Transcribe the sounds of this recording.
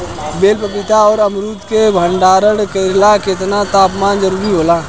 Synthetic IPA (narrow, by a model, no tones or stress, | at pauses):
beːlpəpɪt̪aɔːɾəmɾuːt̪kebʱə̃ɳɖaːɾəɽkeːɾlakɪt̪nat̪aːpmaːnzəɾuːɾiɦoːlaː